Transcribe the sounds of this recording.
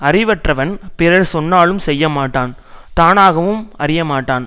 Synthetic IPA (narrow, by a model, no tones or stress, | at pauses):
ɐrɪʋɐʈrɐʋɐnpɪɾɐɾsɔnːaːɭɯmsɛjːɐmaːʈːaːn | t̪aːnaːɣɐʋɯmɐrɪjɐmaːʈːaːn